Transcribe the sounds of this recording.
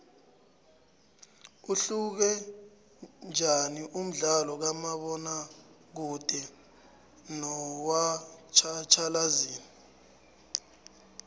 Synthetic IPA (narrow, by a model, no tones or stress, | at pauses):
uɬuk̬ɛ | nd͡ʒʱaniʔum̩ɮalɔk̬amaɓɔnak̬ud̥ʱɛ | nɔwat͡ʃʰat͡ʃʰalaziːni